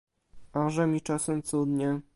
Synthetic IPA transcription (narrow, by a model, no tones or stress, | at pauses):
aʐɛmʲit͡ʂasɛmt̪sud̪ɲɛ